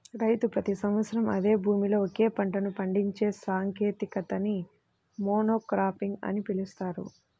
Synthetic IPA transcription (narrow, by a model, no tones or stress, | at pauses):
ɾɐjt̪upɾɐt̪isɐmʋɐt̪sɐɾɐmɐ̰d̪e̞ːbʱuːmilo̞ːoke̞ːpɐɳʈɐnupɐɳɖiɲt͡ʃe̞ːsaːŋke̞ːt̪ikɐt̪ɐni | moːnoːkɾaːpiŋɡɐ̰nipilust̪aːɾṵ